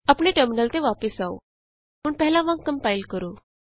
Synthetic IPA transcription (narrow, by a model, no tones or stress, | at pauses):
apɳeʈəɾminəlt̪eʋapəsao̰ | muːɳpɛɦlãʋãŋkːəmpailkəɾuː